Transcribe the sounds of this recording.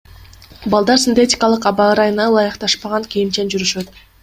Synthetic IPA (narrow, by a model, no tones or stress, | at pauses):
bɑlˠd̪ɑɾsʲinʲt̪etʲɪ̥kɑlˠɯqɑbɑɯɾɑjɯnɑlˠɑjɯqt̪ɑʃpɑʁɑŋkʲijint͡ʃend͡ʒyɾyʃø̞t̪̚